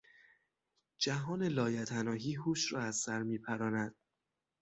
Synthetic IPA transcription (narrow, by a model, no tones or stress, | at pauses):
d͡ʒæɦɒːne̞lɒːjæt̪ʰænɒːɦiːɦuːʃɾɒːæzsæɾmiːpʰæɾɒːnæd̪̥̚